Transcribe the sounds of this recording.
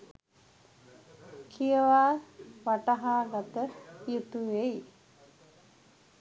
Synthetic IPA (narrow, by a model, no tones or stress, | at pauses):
kʰijəʋaːʋaʈaɦaːɡat̪əjut̪uʋej